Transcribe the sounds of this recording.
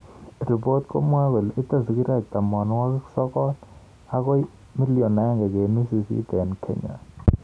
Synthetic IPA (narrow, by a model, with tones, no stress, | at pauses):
ri˨pɔ˦tkʼo̰˦mwa˦k̬wɛ˨li˦ta˦˨zi˨ki˦ɾɛ˦˨t̪a˨mɔ˨nɔ˦wa˦sɔ˦kɔ˦l | a˦kɔ˦ | mi˦li˦ɔ˨na˨˦ŋɡɛ˨ke˨nu˦si˨sḭ˦dɛ˨nkʰɛ̰˦ɲa̰˨